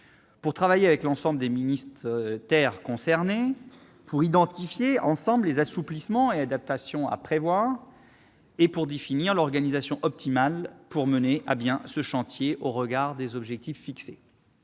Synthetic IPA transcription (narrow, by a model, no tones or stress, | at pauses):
puʁt̪χavajeavɛklɑ̃sɑ̃bləd̪eminist̪χt̪ɛʁkɔ̃sɛʁne | pʰuʁid̪ɑ̃t̪ifjeɑ̃sɑ̃bllezasuplismɑ̃ead̪ap̚t̪asjɔ̃a̰pχevwaʁ | epuʁd̪efiniʁlɔʁɡanizasjɔ̃ʔɔp̚t̪imalpuʁməneʔabjɛ̃səʃɑ̃t̪jeʔoʁəɡaʁd̪ezɔbʒɛk̚t̪ifːikse